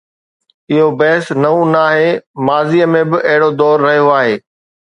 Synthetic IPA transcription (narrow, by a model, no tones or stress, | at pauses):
ɪɦobɐɦɪsnɐũnaːɦemaːziːəmẽbɪʔɐɦɪɽod̪ɔːɾːɐɦijoaːɦeː